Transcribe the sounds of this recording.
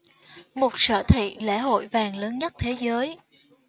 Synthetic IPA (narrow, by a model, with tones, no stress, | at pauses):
mo˨˩t̚sə̰ː˧˨t̪ʰḭ˧˨lɛ̰˧˥ɦo̰˧˨jvaː˨˩ŋləː˨˦nɲə˦˥t̚t̪ʰe˨˦zəː˨˦j